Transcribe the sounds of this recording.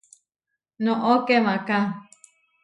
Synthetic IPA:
nõʔokemãkã

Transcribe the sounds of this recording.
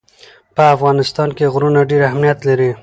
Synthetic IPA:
pəafɣɑnɪst̪ɑnkeɣɾunaɖeɾahmnijat̪laɾi

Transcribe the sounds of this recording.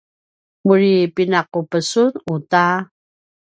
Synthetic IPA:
muɻipinaqupəsunuta

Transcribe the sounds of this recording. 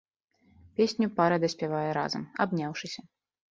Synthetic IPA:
pʲesʲnʲupaɾɐd̪ɐsʲpʲavajɛɾa̰zɐ̰ma̰bnʲawʂɨsʲɐ

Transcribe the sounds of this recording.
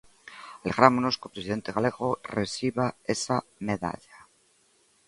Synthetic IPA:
ale̞ɣɾamonoskopɾesiðe̞nt̪eɣaleɣoresiβaesameða̰ʎa

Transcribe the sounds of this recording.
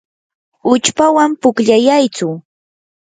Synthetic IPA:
ʊt͡ʃpawampʊkʎajajt͡sʊ

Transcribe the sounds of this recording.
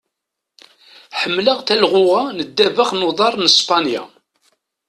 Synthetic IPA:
ħəmːləʁt̪ælʁʊʁanəd̪ːævəχnoðˤɑɾˤnəspɑnja̰

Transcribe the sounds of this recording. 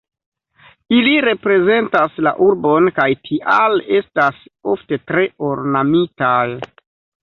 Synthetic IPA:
iliɾe̞pɾe̞ze̞ntasla̰ʔuɾbo̞nkajtʰiʔale̞stasofte̞tɾe̞oɾnamitaj

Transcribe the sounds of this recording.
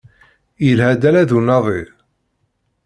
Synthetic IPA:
jəlhæd̪ælæðunɑðˤi

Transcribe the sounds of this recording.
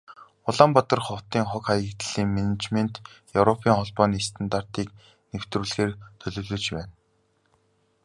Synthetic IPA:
ʊɮaːmpɔt̪ɞ̆rχɔw̥t̪iːŋχɔkχajəkt̪ɮ̥iːŋmenet͡ɕmen̥t̪jɵwɾɔpʰiːŋχɔɮpɔːniːst̪ʰə̆nt̪ar̥t̪iːk | new̥t̪ruːɮxeːrt̪ʰɵɮɵ̆wɮɵ̆ːt͡ɕpæːn

